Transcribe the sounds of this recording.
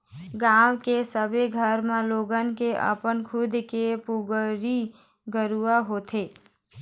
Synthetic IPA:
ɡaːwkesəbʱeɡʱəɾmẽloːɡənkeʔə̰pənkʰʊd̪ʱkepuʊɡɾi | ɡəɾuaɦoːt̪ʰeː

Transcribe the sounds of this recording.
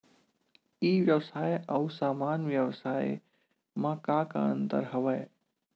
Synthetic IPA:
iːʋjəwsaːjɐusaːmaːnʋjəʋsaːe | mãkãːka̰ə̃nt̪ə̰ɾɦɐʋəː

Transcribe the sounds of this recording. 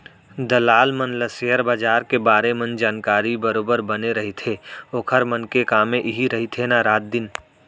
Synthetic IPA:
d̪ɐlaːlmənləsejəɾbaːd͡ʒaːɾkebaːɾemɐ̃nd͡ʒaːnkaːɾibəɾoːbəɾbɐneɾɐɦit̪ʰeːoːkʰəɾmənkekaːmẽʔɪɦiɾɐɦit̪ʰenaɾaːt̪̚d̪ɪn

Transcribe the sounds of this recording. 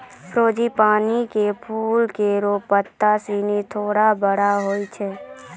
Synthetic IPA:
pʰɾoːd͡ʒipaːnikepʰuːlkeɾoːpət̪ːasiːnit̪ʰoːɽabəɽaɦoːit͡ʃʰɛː

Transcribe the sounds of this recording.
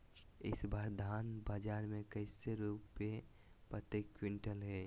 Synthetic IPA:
ɪ̰sbaːɾd̪ʱaːnbaːd͡ʒaːɾmẽkəɪseɾuːpːe | pɾət̪eːkːwɪ̃ɳʈəlɦɛː

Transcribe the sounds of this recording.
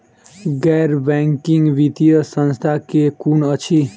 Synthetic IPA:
ɡɛɾbɛŋkiŋɡʋit̪ijəsənst̪ʰakekunʌt͡ʃʰi

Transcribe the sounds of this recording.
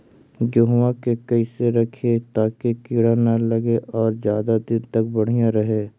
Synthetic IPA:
d͡ʒoɦwãkekɐiseɾɐkʰet̪aːkekiɽanalɐɡeʔɔːɾzjaːd̪ad̪ɪnt̪ɐkbɐɽ̤ijãɾɐɦeː

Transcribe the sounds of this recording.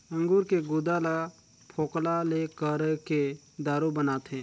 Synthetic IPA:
ə̃ŋɡuːɾkeɡʊːd̪ala | pʰoːklalekəɾke | d̪aːɾobənaːt̪ʰɛ̃ː

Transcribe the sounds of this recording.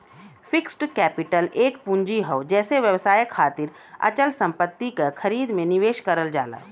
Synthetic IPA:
fʰɪksʈkɛːpɪʈəleːk̚pũɲd͡ʒiɦoːd͡ʒɛːseʋjəʋsaːjəkʰːaːt̪ɪɾ | ɐ̰t͡ʃəlsə̃mpət̪ːikakʰɐɾiːd̪mẽnɪʋeːʃkəɾəld͡ʒa̰ːla̰ː

